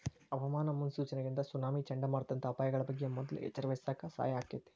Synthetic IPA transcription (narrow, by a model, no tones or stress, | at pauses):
ɐʋɐmaːnɐmunsuːt͡ʃɐnɐɡind̪ɐsunaːmit͡ʃɐɳɖɐmaːɽt̪ːɐnt̪ʰɐːpaːjɐɡɐɭɐbɐɡːemɔd̪ɐlṵḛt͡ʃːɐɾɐʋesaːkasa̰ːjɐɦaːket̪ːe̥